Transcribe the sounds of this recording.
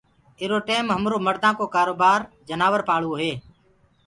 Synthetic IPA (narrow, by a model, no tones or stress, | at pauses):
ɪɾoːʈeːmɦəmɾoːməɾd̪ãːkoːkaːɾoːbaːɾ | d͡ʒənaːʋəɾpaːɭuːɦeː